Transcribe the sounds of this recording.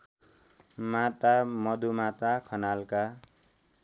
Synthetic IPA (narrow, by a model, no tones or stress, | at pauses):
mat̪amʌd̪umat̪akʰʌnalka